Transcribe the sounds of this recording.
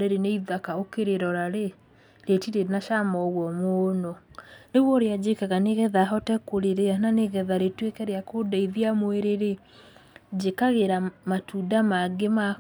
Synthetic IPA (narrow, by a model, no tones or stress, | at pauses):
ɾeɾeneiðakaokeɾeɾɔɾaɾe | ɾetiɾeɾnaʃamɔɣwɔmoːnɔneɣwɔɾead͡ʑekaɣaneɣɛðaɦɔtɛkoɾeɾeananeɣɛðaɾetwekɛɾeakodaiðiamoeɾeɾe | d͡ʑekaɣeɾamatʰudamaɡema